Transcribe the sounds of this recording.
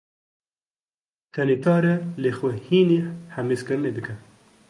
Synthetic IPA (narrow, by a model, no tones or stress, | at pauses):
t̪ʰɛnek̪ʰɑːɾɐlexʷɛhiːnehameːskɨɾɨneːd̪ɨkʰɛ